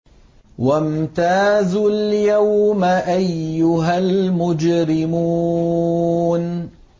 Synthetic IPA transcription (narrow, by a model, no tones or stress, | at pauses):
wamt̪aːzʊljawmaʔajːʊɦalmʊd͡ʒɾɪmuː | n